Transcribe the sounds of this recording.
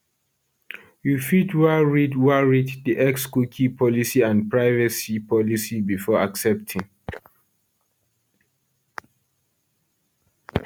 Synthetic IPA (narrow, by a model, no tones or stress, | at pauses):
jufidwaɹidwaɹiddiʔɛkskukʰipʰɔlisiãnpʰɹaɪvəsipʰɔlisibifɔaksɛp̚tʰĩŋ